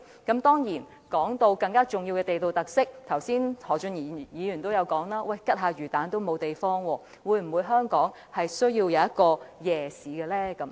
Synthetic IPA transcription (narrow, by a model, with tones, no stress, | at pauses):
kɐ˨˥mt̪ɔː˥ŋjiː˨˩n | kɔː˨˥ŋt̪o˧wkɐ˧ŋkaː˥t͡ʃʊ˨ŋji˧wkɛ˧e˨jt̪o˨wt̪ɐ˨k̚sɪ˥k̚t̪ʰɐ˨˩wsiː˥nhɔː˨˩t͡ʃɵ˧njiː˨˩˨jiː˨˧jyː˨˩nt̪o˥wjɐ˨˧wkɔː˨˥ŋlaː˥wɐ˥˩jkɐ˥t̚ɦaː˨˧ɥyː˨˩t̪aː˨˥nt̪o˥wmo˨˧wt̪e˨jfɔː˥ŋwɔː˧ | wuː˨˧jm̩˨˩wuː˨˧jɦœː˥ŋkɔː˨˥ŋ | hɐ˨jsɵ˥ɥji˧wjɐ˨˧wjɐ˥t̚kɔː˧jɛː˨siː˨˥ɡɛ˧lɛː˥kɐ˨˥m